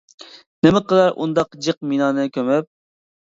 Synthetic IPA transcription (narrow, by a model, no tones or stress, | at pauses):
nɪmɪqəlˠɑɾʔṵnd̪ɑqd͡ʒɨq̚minɑːnɨkʲømɛp̚